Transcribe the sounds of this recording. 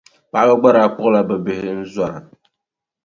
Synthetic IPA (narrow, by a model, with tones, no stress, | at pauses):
pa˦ba˦ɡ͡ba˦ɾa˨˦˨k͡pʊ˦ʔla˦bɛ˨bɪ˨hɪ˦n̩˦za˨ɾa̰˨